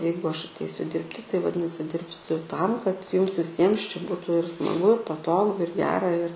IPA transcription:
ˈjɛɪɡʊ ˈɐʃ ɐtʲˈɛɪsʲʊ ˈdʲɪrʲpʲtʲɪ tɐɪ ʋɐˈdʲɪnɐsʲɪ ˈdʲɪrʲpʲsʲʊ ˈtɐm kɐt ˈjʊms ʋʲɪˈsʲiɛms t͡ʃʲɛ ˈbuːtʊ ɪr ˈsmɑːɡʊ ɪr pɐˈtoːɡʊ ɪr ˈɡʲæːrɐ ɪr

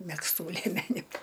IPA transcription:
mʲɛksˈtuː lʲeːˈmʲæːnʲʊ

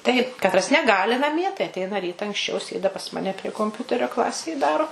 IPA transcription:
tɐɪp kɐtˈrɐs nʲɛˈɡɑːlʲɪ nɐˈmʲiɛ tɐɪ ɐtʲˈɛɪnɐ ˈrʲiːtɐ ɐŋksʲˈt͡ʃʲɛʊ ˈsʲeːdɐ pɐs ˈmɑːnʲɛ pʲrʲiɛ koːmʲˈpʲʊtʲɛrʲoː ˈklˠɑːsʲeːj ˈdɑːroː

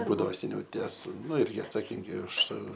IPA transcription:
ˈbuːdɐʋoː sʲɛˈnʲɛʊ ˈtʲiɛs ˈnʊ ˈɪrʲɡʲɪ ɐtsɐˈkʲɪŋʲɡʲɪ ʊʃ

